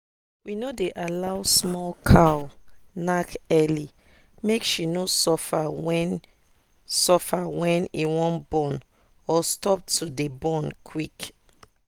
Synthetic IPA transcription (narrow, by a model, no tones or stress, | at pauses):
winodeʔalaʊsmɔlkʰawnakɛli | mekʃinosɔfawɛn | sɔfawɛ̃niwɔ̃nbɔ̃n | ɔstɔp̚tʰudebɔ̃nkʰwik